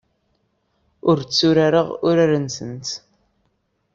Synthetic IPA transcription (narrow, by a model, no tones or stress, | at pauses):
ʊɾt͡sːʊɾaɾəʁʊɾaɾənsə̰nt̪